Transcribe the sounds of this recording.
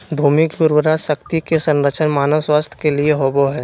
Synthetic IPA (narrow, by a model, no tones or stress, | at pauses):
d̪ʱuːmɪkɡʊɾwəɾaʃəkt̪ikesə̃nɾət͡ʃʰənmaːnəswaːst̪ʰə̥kelieɦoːboɦɛː